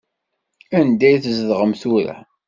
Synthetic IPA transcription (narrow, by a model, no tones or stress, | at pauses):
ænd̪æjθəzðʁəmθuɾæ̰